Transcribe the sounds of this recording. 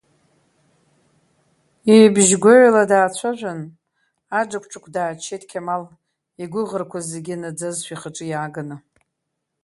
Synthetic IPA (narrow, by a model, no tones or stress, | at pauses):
ibʒɡʷoʕʷladaːt͡ɕʷʰaʒᶣʷan | ad͡ʒakʷʰʼʈ͡ʂʼakʷʰdaːt͡ʃʰejtʰʼkʲʰamal | iɡʷʊʁərkʷʰazeɡʲɪnad͡zazʃʷᶣiχaʈ͡ʂʼɨjaːɡɨnɨ